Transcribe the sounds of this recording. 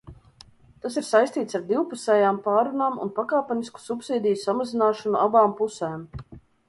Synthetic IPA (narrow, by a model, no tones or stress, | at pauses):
t̪asiɾsajst̪iːt̪saɾd̪iwpusɛːjaːmpaːɾunaːmṵnpakaːpɛnisku̥supsiːd̪ʲijusamazinaːʃɔnuʔabaːmpusɛːm